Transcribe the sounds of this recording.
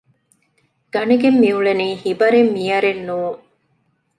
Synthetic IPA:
ɡ̥ɐnɐɡemːiuɭeniːhibɐɾemːijɐɾenːuːŋ

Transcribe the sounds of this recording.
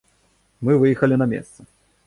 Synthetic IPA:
mɨvɨjɛxɐlʲinɐmʲḛst̪sɐ

